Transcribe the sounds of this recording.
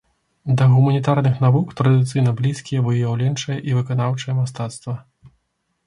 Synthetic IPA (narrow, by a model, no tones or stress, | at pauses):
d̪ɐɣumɐnʲit̪arnɨxnavukt̪ɾɐd̪ɨt̪sɨjnɐblʲiskʲijɛvɨjjawlʲɛnt͡ʂɐjɛʔivɨkanawt͡ʂɐjɐmas̬t̪at̪st̪vɐ